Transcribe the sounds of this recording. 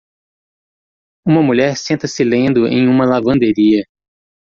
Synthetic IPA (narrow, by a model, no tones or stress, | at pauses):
ũmɐmuʎɛɾsẽnt̪ɐsɪlẽnd̪ʊʔḛ̃j̃ũmɐlavɐ̃nd̪eɾiɐ